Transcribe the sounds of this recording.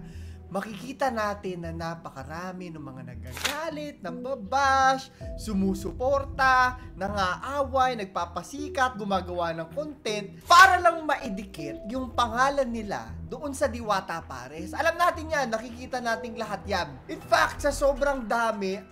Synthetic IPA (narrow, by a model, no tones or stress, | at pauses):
mɐkɪkiːt̪ɐnaːt̪ɪnːɐnɐpɐkɐɾaːmɪnʊŋmɐŋanɐɡaɡaːlɪt̪̚nɐɡbɐbaʃsʊmuːsʊpo̞ːɾt̪ɐnɐŋaʔaːwɐjnɐɡ̚paːpɐsiːkɐt̪̚ɡʊmaːɡɐwanɐŋkont̪ɛnt̪̚paːɾɐlɐŋmɐʔɪd̪ɪkɪt̪̚jʊŋpɐŋaːlɐnːɪla̰d̪oʔo̞nsɐd̪ɪwaːt̪ɐpa̰ːɾɛsʔɐlamnaːt̪ɪnjanːɐkɪkiːt̪ɐnaːt̪ɪŋlɐɦat̪̚janʔɪnfak̚t̪sɐso̞ːbɾɐŋd̪aːmɪ